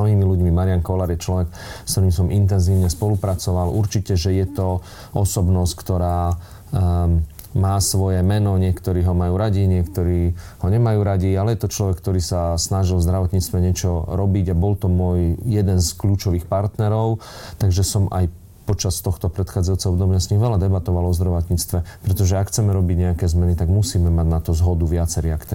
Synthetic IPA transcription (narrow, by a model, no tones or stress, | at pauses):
ɦiːmiluɟmimaɾiankɔlaɾjɛt͡ʃlɔʋɛk | st̪ɔɾiːmsɔmʔint̪̬ɛnziːʊɲɛspɔlupɾat͡sɔʋalʔuɾt͡ʃicɛʒɛjɛt̪ɔ | ʔɔsɔbnɔsckt̪ɔɾaː | maːsʋɔjɛmɛnɔɲɪɛkt̪ɔɾiːɦɔmajuːɾaɟiɲɪɛkt̪ɔɾiːhɔɲɛmajuːɾaɟialɛjɛt̪ɔt͡ʃlɔʋɛk̚ːt̪ɔɾiːsasnaʒilvzd̪ɾaʋɔt̪ɲiːt͡st̪ʋɛɲɪɛt͡ʃɔɾɔbiɟabɔlt̪ɔmʊɔjjɛd̪ɛnskluːt͡ʃɔʋiːxpaɾt̪nɛɾɔʊ | t̪aɡʒɛsɔma̰j | pɔt͡ʃast̪ɔxt̪ɔpɾɛt̪xaːd͡zajut͡sɛɔbd̪ɔmɪasɲixʋɛlad̪ɛbat̪ɔʋalɔzd̪ɾaʋɔt̪ɲiːt͡st̪ʋɛpɾɛt̪ɔʒɛakxt͡sɛmɛɾɔbiɟɲɛakɛːzmɛnit̪aɡmusiːmɛmaɟnat̪ɔzɦɔd̪uʋɪat͡sɛɾiakt̪ɛ